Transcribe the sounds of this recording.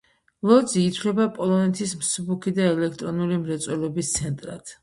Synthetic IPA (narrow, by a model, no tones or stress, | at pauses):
lˠɔd̪ziːt̪sʰlɛbapʼɔlˠɔnɛt̪ʰismsubukʰid̪aɛlɛk̚ʰt̪ʼɾɔnulimɾɛt̪sʼwɛlɔbist̪sʰɛnt̪ʼɾa̰t̪ʰ